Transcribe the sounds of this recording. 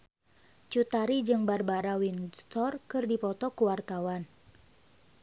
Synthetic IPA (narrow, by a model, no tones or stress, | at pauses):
t͡ʃut̪aɾid͡ʒɨŋbarbaɾawinst̪ɔrkɨrdipɔt̪ɔkuwart̪awan